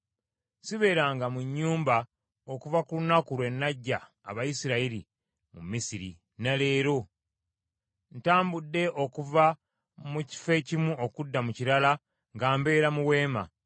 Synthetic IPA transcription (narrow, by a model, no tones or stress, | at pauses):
siβe̞ːɾaːŋɡamuɲːuːmba | okuvakulunakulwe̞nːaɟːa̰ː | βajisiɾaiɾi | mṵmisiɾḭ | nale̞ːɾo̞ | n̩taːmbudːe̞ʔo̞kuva | muci̥fe̞cimuo̞kudːamuciɾala | ŋɡaːmbe̞ːɾamuwe̞ːma̰